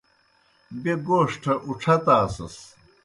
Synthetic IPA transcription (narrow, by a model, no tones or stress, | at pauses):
beɡoːʂʈʰɐʔuʈ͡ʂʰɐt̪aːsɐ̰s